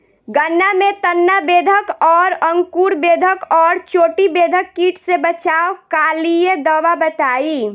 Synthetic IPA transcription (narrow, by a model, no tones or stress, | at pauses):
ɡənːamet̪ənːabed̪ʱəkɔːɾəŋkuɾbed̪ʱəkɔːɾt͡ʃoʈibed̪ʱəkːiʈʰsebət͡ʃaokalijed̪əwabət̪ai